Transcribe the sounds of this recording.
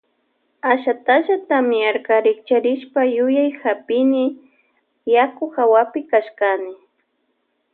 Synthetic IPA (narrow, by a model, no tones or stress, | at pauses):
aʃat̪aʃat̪amɪaɾkaɾɪkt͡ʃaɾɪʃpajʊjajxapɪnɪ | jakʊxawapɪkaʃkanɪ